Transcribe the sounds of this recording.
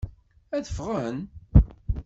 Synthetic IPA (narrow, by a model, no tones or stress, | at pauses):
æðəfʁən